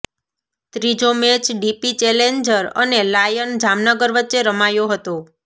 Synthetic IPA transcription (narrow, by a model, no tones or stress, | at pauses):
t̪ɾid͡ʒomet͡ʃɖipit͡ʃelend͡ʒəɾə̰nelajənd͡ʒamnəɡəɾʋətːʃeɾəmajoɦət̪o